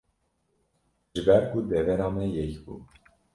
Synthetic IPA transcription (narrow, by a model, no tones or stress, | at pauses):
ʒɨbɛɾkʰud̪ɛvɛɾɑːmɛjɛkbṵː